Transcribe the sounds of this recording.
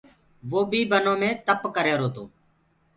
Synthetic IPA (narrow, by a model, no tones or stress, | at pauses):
ʋoːbʱiːbənõːmẽːt̪əpkəɾeːɾoːt̪oː